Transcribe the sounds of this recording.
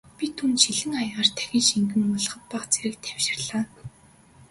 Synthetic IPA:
pʲit̪ʰunt̪ʃiɮɘ̆ŋajaːrt̪ʰæ̥xʲiːnʃiŋɡɘ̆mpɔɮ̆χə̆t̪̚paχt͡seɾɘ̆k̚t̪ʰæw̥ʃɪ̆rɮaː

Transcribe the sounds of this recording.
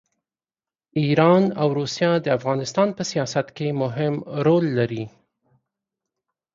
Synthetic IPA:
iɾɑnawɾusjɑd̪əafɣɑnɪst̪ɑnpəsijɑsat̪kemʊɦɪmɾolːaɾi

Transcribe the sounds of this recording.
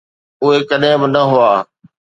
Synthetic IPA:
ʊɦekɐɗɦɪ̃bɪnɐɦʊaː

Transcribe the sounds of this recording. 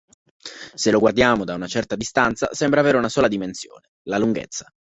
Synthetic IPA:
seloɡward̪jaːmod̪aunat͡ʃɛrt̪ad̪ist̪ant̪sa̰sɛmbɾaːveːɾeunasɔːlad̪imensjo̰ːnelaluŋɡḛt̪sːḁ

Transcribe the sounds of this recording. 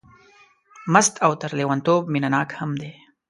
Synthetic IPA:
mast̪ʰawt̪aɾlewant̪ob̚minanɑːkhamd̪e

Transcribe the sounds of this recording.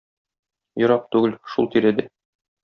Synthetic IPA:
jŏɾɑp̚t̪ʉɡɘlʃulˠt̪iɾæd̪ɘ

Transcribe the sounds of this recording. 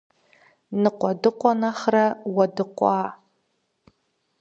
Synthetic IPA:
nɨqʷɔdɨqʷʼɔnaχrɐwɐdɨqʷʼɑː

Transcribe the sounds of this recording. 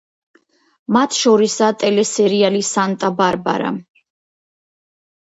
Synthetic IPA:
mat̪ʰʃɔɾisat̪ʼɛlɛsɛɾialisant̪ʼabaɾba̰ɾa̰

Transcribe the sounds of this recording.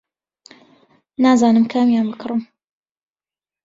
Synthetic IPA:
naːzaːnɨmkʰamjaːnbɨkʰɨrɨm

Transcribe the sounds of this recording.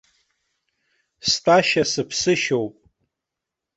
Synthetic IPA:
stʰʼaʃasɨpʰsɨʃowpʼ

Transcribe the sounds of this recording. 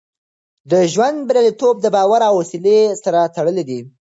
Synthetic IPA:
d̪əʒwand̪̚bɾjalit̪ob̚d̪əbɑwaɾawwasilesaɾat̪aɽəled̪i

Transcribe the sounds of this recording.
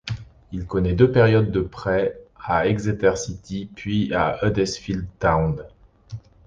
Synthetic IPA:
ilkɔnɛd̪øpɛʁjɔd̪ːəpχɛaɛɡzet̪ɛʁsit̪ʰipɥiaød̪ɛsfild̪t̪aw̃d̪

